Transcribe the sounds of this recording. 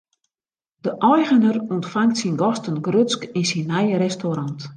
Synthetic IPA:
d̥əʔɔjɣənərɔntfaŋktsinɡɔstənɡrøtt͡skinsinːɛjrɛstoɾɑnt

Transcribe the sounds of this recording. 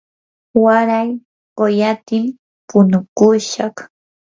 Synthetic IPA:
waɾaj | ɢojat̪ɪm | pʊnʊkʊʃɑχ

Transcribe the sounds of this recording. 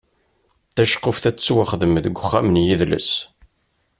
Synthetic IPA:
θæʃqːʊfθæt͡sːt͡sːwaχəðəmðɡʷʊχːæmənjiðlə̰s

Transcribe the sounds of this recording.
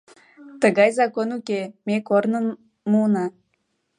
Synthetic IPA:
t̪əɣɑjzɑkonukemekornən | munɑ

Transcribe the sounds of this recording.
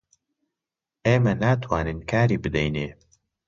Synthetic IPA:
ʔeːmɐnaːt̪ʰwaːnɨnkʰaːɾiːbɨd̪ɛjneː

